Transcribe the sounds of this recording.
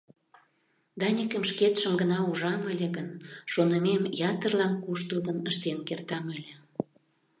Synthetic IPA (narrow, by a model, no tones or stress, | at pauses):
d̪ɑnʲikəmʃket̪ʃəmɡənɑuʒɑməlʲĕɣənʃonəmemjɑt̪ərlɑnkuʃt̪əɣənəʃt̪enkert̪ɑməlʲĕ